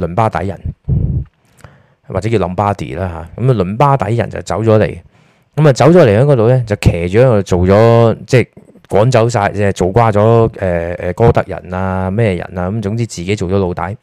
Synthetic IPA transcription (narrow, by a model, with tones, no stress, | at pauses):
lɵ˨˩npaː˥t̪ɐ̰˨˥jɐ̰˨˩n | wa̰˨˩ɛ˨˥i˧lɐ˨˧mpaː˥t̪ḭː˨˩laː˧ɦaː˨˧kɐ˨˥ma˨lɵ˨˩npaː˥t̪ɐ˨˥jjɐ˨˩nt͡sɐ̰˨˩wt͡sɐ˨˥wt͡sɔː˨˥lḛ˨˩j | kɐ˨˥mɐ˨t͡sɐ˨˥wt͡sɔː˨˥le˨˩jhœː˨˥kɔ˧t̪o˨wlɛ˥t͡sɐ˨wkʰɛː˨˩t͡ʃyː˨ɛː˨˥ŋɔ˧t͡so˨wt͡sɔː˨˥t͡sɛː˥˩ | kʷɔ̰ː˨˥nt͡sɐ˨˥ws̬aː˧jɛ˨˧t͡so˨wkʷaː˥t͡sɔː˨˥ɛː˨˩ɛ˨kɔː˥t̪ɐ˥k̚jɐ̰˨˩naː˧mɛː˥jɛ˧jɐ̰˨˩naː˧kɐ˨˦mt͡sʊ˨˥ŋt͡siː˥t͡siː˨ke˨˥t͡so˨wt͡sɔː˨˧˥lo˧wt̪ɐ̰˨˥j